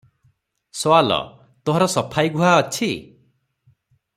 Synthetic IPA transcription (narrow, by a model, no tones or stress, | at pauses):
sɔwalɔ̰ | t̪oɦɔɾɔsɔpʰajɡʱuɦaɔt͡ʃʰi